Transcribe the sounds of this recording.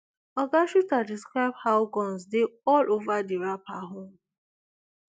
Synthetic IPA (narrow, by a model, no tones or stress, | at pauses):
ɔɡaʃutadiskɾaɪb̚haʊɡɔ̃nsdeɔlʔovadiɹapaɦõm